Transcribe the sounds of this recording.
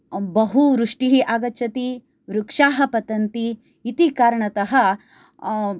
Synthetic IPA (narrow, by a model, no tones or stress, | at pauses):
bɐɦuɾuʂʈiɦiʔaːɡɐt͡ʃːɐt̪i | ʋɾukʂaːɦɐpɐt̪ɐnt̪i | it̪ikaːɾɐɳɐt̪ɐɦɐ